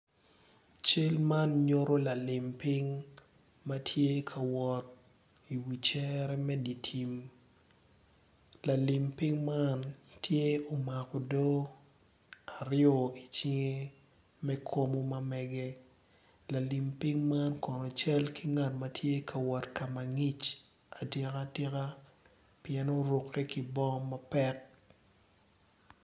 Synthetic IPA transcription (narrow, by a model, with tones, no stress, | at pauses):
t͡ʃe˦lma˦nɲo˦ɾo˦la˨lɪ˨mpi˦ŋ | ma˦tʰje˦kʰa˨wɔ˨t̚ | i˨wi˨t͡ʃɛ˦ɾɛ˦mɛ˦di˨tʰi˨m | la˨li˨mpi˦ŋma˦ntʰje˦o˨ma˨kɔ˨do˦ | a˨ɾjɔ˨i˨t͡ʃi˦ŋe˦ | mɛ˦kʰo˦mo˦ma˦mɛ˦ɡe˦ | la˨li˨mpi˦ŋma˦nkɔ˨no˨t͡ʃɛ˦lki˦ŋa˨tma˦tʰje˦kʰa˨wɔ˨tka˨ma˨ŋi˦t͡ʃ | a˨dɪ˨ka˦tɪ˦ka˦ | pjɛ˦no˦ɾu˨kːe˦ki˨bɔ˦ma˦pɛ˦k̚